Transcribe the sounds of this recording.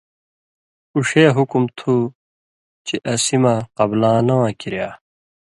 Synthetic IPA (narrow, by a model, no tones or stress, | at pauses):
uʂeːɦukumt̪ʰu | t͡ɕiʔɐsimaqɐblãːnɐwãːkiɾjaː